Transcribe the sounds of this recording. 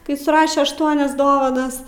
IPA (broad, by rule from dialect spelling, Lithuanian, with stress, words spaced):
kɐɪ sʊˈrɑːʃʲɛ ɐʃˈtuɔnʲɛs ˈdoːʋɐnɐs